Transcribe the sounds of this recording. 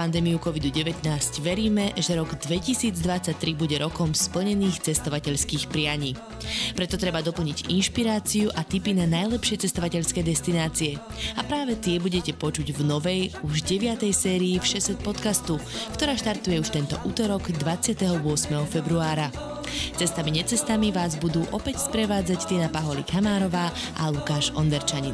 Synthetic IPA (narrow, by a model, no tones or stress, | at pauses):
pand̪ɛːmiukɔʋid̪uɟɛʋɛt̪naːscʋɛɾiːmɛʒɛɾɔɡd̪ʋɛcisiːd͡zd̪ʋat͡sːac̚t̪ɾibuɟɛɾɔkɔmspl̩ɲɛniːxt͡sɛst̪ɔʋacɛʎskiːxpɾɪaɲiː | pɾɛt̪ɔt̪ɾɛbad̪ɔpl̩ɲiɟḭnʃpiɾaːt͡siuʔat̪ipinanajlɛpʃɪɛt͡sɛst̪ɔʋacɛʎskɛːd̪ɛst̪inaːt͡siɛapɾaːʋɛt̪ɪɛbuɟɛcɛpɔt͡ʃuɟvnɔʋɛjuʒɟɛʋɪat̪ɛjsɛːɾiːfʃɛsɛt̪̚pɔt̪kast̪ukt̪ɔɾaːʃt̪aɾt̪ujɛuʃt̪ɛnt̪ɔ̰ʔuːt̪ɔɾɔɡd̪ʋat͡sɪat̪ɛɦɔʊɔsmɛɦɔfɛbɾuaːɾa | t͡sɛst̪amiɲɛt͡sɛst̪amiʋaːzbud̪uːʔɔpɛcspɾɛʋaːd͡zact̪ɪɛnapaɦɔlḭkamaːɾɔʋaː | a̰lukaːʃɔnd̪ɛɾt͡ʃaɲin